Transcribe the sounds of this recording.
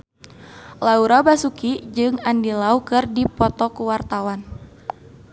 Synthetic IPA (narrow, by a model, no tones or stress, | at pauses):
lauɾabasukid͡ʒɨŋandilaukɨrdipɔt̪ɔkuwart̪awan